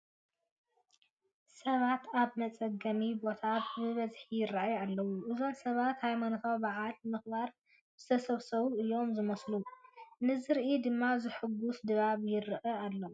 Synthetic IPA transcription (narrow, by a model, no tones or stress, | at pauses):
sɐβat̪ʰaβmɐt͡sʼɐɡɐmibo̞t̪ʰabɨβɐzħijɪɾaʔaalːɐwːuʔɨzo̞msɐβat̪hajmanot̪ʰawbaʕalmɨxbaɾ | bɨzɨ̥t̪ʰɐsɐβsɐβuʔɨjːo̞mzɨmɐslunɨzɨɾʔid̪ɨmːazɨħɨɡːusd̪ɨβaβjɪɾʔɐalːo